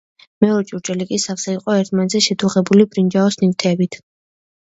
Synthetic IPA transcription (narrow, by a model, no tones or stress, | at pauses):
mɛɔɾɛt͡ʃʼuɾt͡ʃʼɛlikʼisafsɛiqʼɔɛɾt̪ʰmanɛt̪zɛʃɛt̪ʰuʁɛbulibɾind͡ʒaɔsnivt̪ʰɛːbit̪ʰ